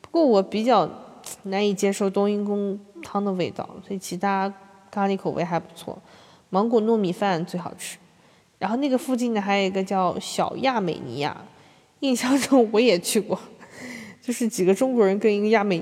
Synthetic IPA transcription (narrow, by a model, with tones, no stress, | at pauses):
pu˧˥kwɔ˥˩wɔ˨˩pi˨˩t͡ɕjɑ˥˩ʊna˧˥ni˨˩t͡ɕjɛ˥ʂo˥˩ʊt̪ʊ˥ŋi˥nk̬ʊ˥ŋt̪ʰɑ˥ŋd̪ə˨we˥˧ɪt̪ɑ̰˥˩ʊswɔ˧˥i˨˩t͡ɕʰi˧˥t̪ʰa˥ | ka˥li˧˥kʰo˨˩ʊwʔe˥ɪxa˧˥ɪpu˧˥t͡sʰwɔ̰˥˩ | mɑ˧˥ŋkwɔ˨˩nɔ˥˩mi˨˩fa˥˩n˥t͡swe˥˩ɪxɑ˨˩ʊʈ͡ʂʰɻ̩̥˥ | ɻa˧˥nxo˥˧ʊna˥˩ɡə˩fu˥˧t͡ɕi˥˩nnə˩xa˧˥jo˨˩i˧˥ɡə˧t͡ɕjɑ˥˩ʊɕjɑ˨˩ʊja˥˩me˨˩ɪnḭ˧˥ja̰˥˩ | i˥˩ŋɕɑ˥˧ŋʈ͡ʂʰo˥ŋwɔ˧˥jɛ˨˩t͡ɕʰy˥˧kwɔ˥˩ | t͡ɕjo˥˧ʊʂɻ̩˥˩t͡ɕi˨˩ɡə˦ʈ͡ʂʊ˥ŋkwɔ˧˥ɻə˧˥nkə˥ni˧˥ɡə˧ja˥˩me˨˩ɪ